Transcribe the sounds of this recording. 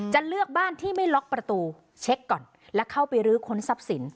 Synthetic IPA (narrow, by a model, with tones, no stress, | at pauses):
t͡ɕa˨lɯ˥˩ək̚baː˥˩nt̪ʰiː˥˩ma˥˩jlɔ˦˥k̚pɾa˧t̪uː˧ | t͡ɕʰe˦˥kːɔː˨˩n | lɛ˦˥kʰa˥˩wpa˧jɾɯː˦˥kʰo˦˥nsa˦˥p̚si˩˦n